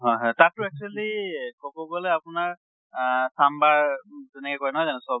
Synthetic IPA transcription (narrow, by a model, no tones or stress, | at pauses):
ɦɔjɦɔ̃jtatːʊɛk̚t͡ʃualikɔbɔbɔlɛapʊnaɹ | sambaɹzɛnɛkɛkɔjnɔɦɔzanɛsɔ